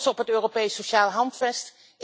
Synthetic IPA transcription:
sɔpɦətøːropejsːoʃaːləɦɑntfɛst

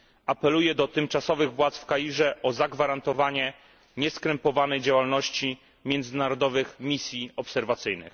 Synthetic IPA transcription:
apɛlujɛd̪ɔt̪ɘmt͡ʂasɔvɘɣvwat̪sfkajiʐɛʔɔzaɡvaɾant̪ɔvaɲɛ | ɲɛskɾɛmpɔvanɛjd͡ʑawalnɔɕt͡ɕi | mʲjɛnd̪zɘnaɾɔd̪ɔvɘxmʲisʲjiɔpsɛɾvat̪sɘjnɘ̰x

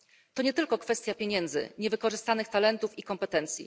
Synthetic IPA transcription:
t̪ɔɲɛt̪ɘlkɔkfɛst̪ʲjapʲjeɲɛnd̪zɘ̰ɲɛvɘkɔʐɘst̪anɘxt̪alɛnt̪ufikɔmpɛt̪ɛnt̪sʲjḭ

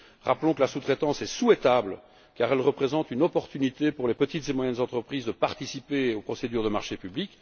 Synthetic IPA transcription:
ʁaplɔ̃kəlasut̪χɛt̪ɑ̃sɛsuɛt̪abl | kaːʁɛlʁəpχezɑ̃t̪ynɔpɔʁt̪ynit̪epuʁlepət̪it̪zemwajɛnzɑ̃t̪χəpχiːzd̪əpaʁt̪isipeopχɔsed̪yːʁd̪əmaʁʃepyblik

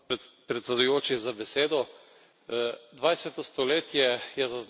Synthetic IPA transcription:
pɾɛt̪sɛd̪ujoːt͡ʃizabɛseːd̪ɔ | d̪ʋajsɛt̪ɔst̪ɔleːt̪jɛjɛzaz

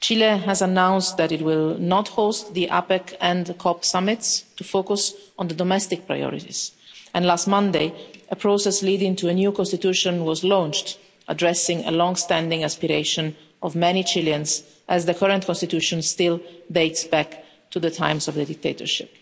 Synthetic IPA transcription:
t͡ʃileɦɛzanãw̃nstd̪æɾɪtwɪlnɔthost̪ðiʔapɛkʰɛ̃ndkʰɔpsamɪt̪stufokusɔ̃nd̪əd̪ɔmɛst̪ɪk̚pɹa̰jɔ̰ɾḭt̪ḭz̥ɛ̃nlast̪mʌ̃nd̪eɪʔəpʰɹosɛsliːdɪ̃ŋtuənjukɔ̃nst̪it̪juʃɔ̃nwɔzlɔ̃nt͡ʃt | ʔadɹɛsɪ̃ŋə̰lɔ̃ŋst̪æ̃ndĩŋaspiɾeɪʃɔ̃n | ɔvmɛnit͡ʃiljə̃ns | ʔæzðəkʰʌɹə̃ntkʰɔ̃nst̪it̪juʃɔ̃nst̪ɪldeɪtsbæk | tuðət̪ʰã̰ɪ̃msɔvd̪ədɪk̚t̪eɪt̪ə̰ɹʃɪ̰p

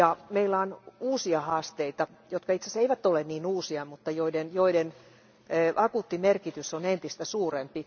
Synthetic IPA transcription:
jɑmeilːæonuːsiɑhɑːst̪eit̪ɑjot̪kɑit̪seseiʋæt̪ːolenniːnuːsiɑmut̪ːɑjoidenjoiden | øːʔɑkut̪ːimerkit̪ysonent̪ist̪æsuːrempi

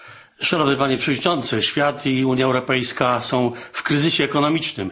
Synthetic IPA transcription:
ʂanɔvnɘpaɲɛpʂɛvɔd̪ɲʲit͡ʂɔnt̪sɘɕfʲjat̪ʰiuɲjaɛwɾɔpɛjskasɔ̃w̃fkɾɘzɘɕɛːkɔnɔmʲit͡ʂnɘ̰m

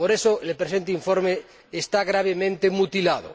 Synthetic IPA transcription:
poɾesoelepɾesent̪̬eiɱfoɾmeː | st̪aɣɾaβ̞emẽnt̪emut̪ilað̞o̰

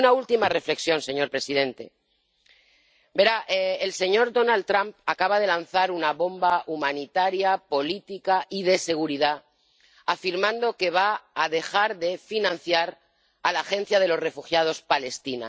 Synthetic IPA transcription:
nault̪imare̞fle̞ksjo̞nse̞ɲoɾpɾe̞siðe̞nt̪e̞̰ | be̞ɾaʔeelse̞ɲo̞ɾðo̞nalt̪ɾampakaβað̞e̞lanθaɾunaβo̞mbaumanit̪aɾjapo̞lit̪ikaʔið̞e̞se̞ɣ̞uɾiða | afiɾmãnd̪o̞ke̞β̞aːðe̞xaɾðe̞finãn̟θjaɾ | alaːxẽ̞n̟θjað̞e̞lo̞sre̞fuxjaðo̞spale̞st̪ina̰

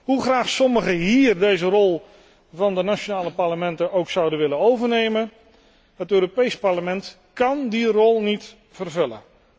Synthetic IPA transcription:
ɦuχraːχsɔməχəɦiːrdejzərɔlˠ | vɑndənat͡ʃonaːləpɑɹləmɛntəowksɑwdənʋɪlənowvəɹnejmən | ɦətøːɾopejspɑɹləmɛnt | kɑndirɔlˠnit | v̥ərvɵlə̰n

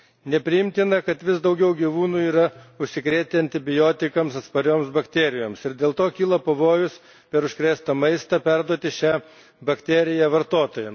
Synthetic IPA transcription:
nʲɛpʲɾʲɪjɪmʲt̪ʲɪnɐkɐt̪ʋʲɪsd̪ɐʊɡʲɛʊɡʲiʋuːnuːiːɾɐʊʃʲsʲɪkɾʲeːt̪ʲeɐnʲt̪ʲɪbʲɪjoːt̪ʲɪkɐmsɐt̪spɐɾʲoːmsbɐkt̪ʲeːɾʲɪjoːmsɪɾd̪ʲeːlˠt̪oːkʲiːlˠɐpɐʋoːjʊs | pʲɛɾʊʃʲkɾʲæːst̪ɐmɐɪst̪ɐpʲæɾd̪uɔt̪ʲɪʃʲæː | bɐkt̪ʲɛːɾʲɪjæʋɐɾt̪oːt̪oːjɛ

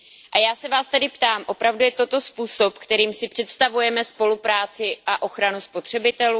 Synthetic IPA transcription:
ʔajaːsɛvaːst̪adɪpt̪aːmʔo̞pɾavdujɛt̪o̞t̪o̞spuːso̞pkt̪ɛɾiːmsɪpr̝̥ɛt̪st̪avujɛmɛspo̞lupɾaːt͡sɪʔaʔo̞xɾanuspo̞t̪r̝̥ɛbɪt̪ɛluː

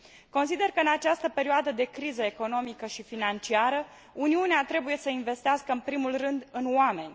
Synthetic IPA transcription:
ko̞nsid̪e̞rkəɨnat͡ʃast̪əpe̞ɾioad̪əd̪e̞kɾizəeko̞no̞mikəʃifinant͡ʃiaɾə | uniuneat̪ɾe̞buje̞səinve̞st̪easkəɨnpɾimulrɨnd̪ɨnoame̞nʲ

